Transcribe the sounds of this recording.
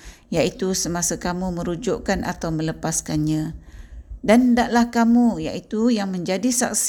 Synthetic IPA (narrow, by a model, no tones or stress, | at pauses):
jaʔit̪usəmasakamuməɾud͡ʒʊʔkanʔa̰t̪awmələpaskanɲã | dandaʔlahkamuja̰ʔit̪ujaŋməɲd͡ʒadisa̰ks